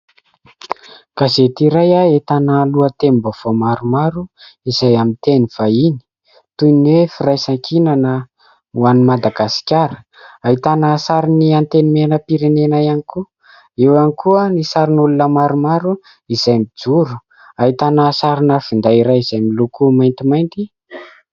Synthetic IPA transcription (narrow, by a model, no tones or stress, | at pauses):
kazet̪iɾajaet̪analuət̪embav̥omaɾumaɾuizajamint̪eniv̥aini̥ | t̪uniwefiɾajsaŋkʰinanə | uanimad̪aɡasi̥kʲaɾə | ait̪anaːsaɾiniant̪enimenəpiɾenenajaniku | ewanikuənisaɾinulunəmaɾumaɾu | izajmid͡zuɾu̥ | ait̪anasaɾinəfind̪aiɾajizajmilukumajnt̪imajnt̪i